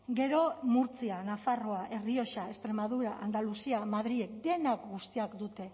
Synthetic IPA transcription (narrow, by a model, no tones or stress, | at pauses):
ɡe̞ɾo̞muɾt͡sianafaro̞aʔe̞rio̞ʃae̞st̪ɾe̞maðuɾaʔand̪alusiamaðɾiekd̪e̞nakɡust̪iakd̪ut̪e̞